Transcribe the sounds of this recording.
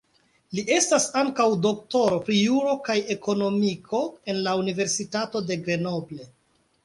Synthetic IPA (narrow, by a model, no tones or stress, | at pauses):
liʔe̞stasaŋkawdo̞k̚to̞ɾo̞pɾijuɾo̞kaje̞ko̞no̞mikʰo̞e̞nlaunive̞ɾsitato̞de̞ɡɾe̞no̞ble̞